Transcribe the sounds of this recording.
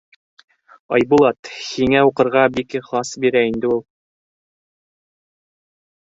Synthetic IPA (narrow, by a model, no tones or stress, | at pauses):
ɑjbulˠɑt̪hiŋæuqɤ̆ɾʁɑbikχɑsbiɾæind̪ɘulˠ